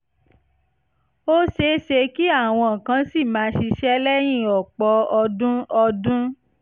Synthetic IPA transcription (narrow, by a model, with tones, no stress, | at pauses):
o˦ʃe˧˦ʃe˧ki˦a˦˨w̃ɔ̃˧˨kã˨˧si˦˨mãː˨˦ʃi˧ʃɛ˦lɛ˦j̃ĩ˦˨ɔ˨k͡pɔ˧˦ɔ˧dũ˦ɔ˧dũ˦